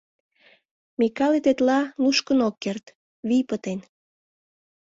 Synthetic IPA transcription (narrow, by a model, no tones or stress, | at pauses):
mikɑlet̪et̪lɑluʃkənokːert̪ | βijpət̪en